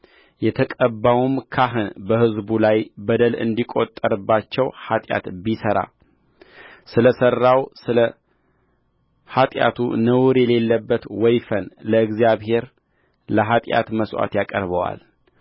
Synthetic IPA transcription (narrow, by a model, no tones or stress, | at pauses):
jɛt̪ʰəkʼəbːawumkʰaɦɨnbəhɨzbulajbəd̪əlɨ̰nd̪ikʼo̞t̪ʼːəɾɨbːat͡ʃːɛwhat̪ʼja̰t̪bisəɾa̰ | sɨləsərːawsɨlə | hat̪ʼja̰t̪ʰṵnəwɾjɛle̞lːəbːət̪wɔjfənləɨɡzijaβhe̞ɾ | ləɦat̪ʼja̰t̪məswa̰t̪jakʼəɾβəwa̰l